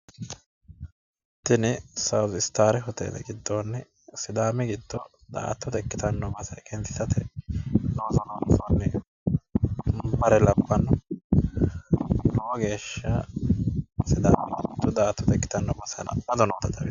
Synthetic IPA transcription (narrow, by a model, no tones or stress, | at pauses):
t̪ːɪnɛsɐwzɪst̪aːɾɛɦɔt̪ḛːd̪ɐ̰ɡɪd̪ːoːnːɛ | sɪd̪aːmɛɡɪd̪ːɔ | d̪a̰ːt̪ːɔt̪ɛkːɪt̪ɐnːɔbɐsɐkʰɛnt̪ɪ̥t̪ɐt̪ʰɛd̪oːzɔnoːsɔnːɛ | bɐɾɛlɐbːɐnːɔ | nɔːɡe̞ːʃːɐ | sɪd̪aːmɛɡɪd̪ːɔd̪aːt̪ːʊt̪ɛkːɪ̥t̪ɐnːɔbɐsɐ̰n̰ɐd̪ɔnoːt̪ɐd̪ɐɪ